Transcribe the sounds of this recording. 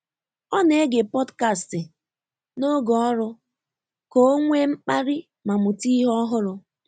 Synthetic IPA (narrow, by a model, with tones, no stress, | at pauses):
ɔ˦ne˨˦ɡe˨pɔ˦dka˦˨stɪ˨ | no˦ɡɔ˨ɔ˦ɾʊ˦ | ko˨˦o˦ŋʷe˦ŋ͡m̩˦k͡pa˦ɾɪ˦ | ma˨mʊ˨ti˦ɦɔ˦ɦʊ˦ɾʊ˨